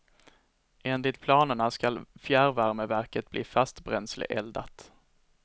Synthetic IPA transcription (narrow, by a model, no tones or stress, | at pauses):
eːnd̪ɪt̪̚pʰlɑːnəɳaskalfjæːɾvæɾməvæɾkət̪̚bliːfast̪bɾɛnslɪ̰ʔɛld̪a̰t̪